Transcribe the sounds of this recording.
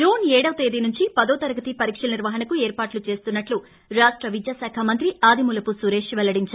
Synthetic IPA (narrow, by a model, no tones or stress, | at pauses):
d͡ʒoːnɛːɽɐʋɐt̪eːd̪inuɲt͡ʃipɐd̪oːt̪ɐɾɐɡɐt̪ipɐɾiːkʂɐlɐniɾʋɐɦɐnɐkueːɾpaːʈlut͡ʃe̞ːst̪unːɐʈlu | ɾaːʂʈɾɐʋid͡ʒjaːsaːkʰamɐnt̪ɾiaːd̪ʱimulɐpusuɾeːʂʋɛlːɐɽiɲt͡ʃaːɾ